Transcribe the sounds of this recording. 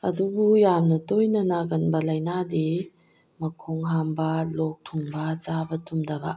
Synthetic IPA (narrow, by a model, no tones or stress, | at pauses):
ɐdubujamnɐtojnɐnaɡɐnbɐlɐjnadi | mɐkʰɔŋɦambɐlɔk̚tʰuŋbat͡ʃabɐtʰumdɐba̰ʔ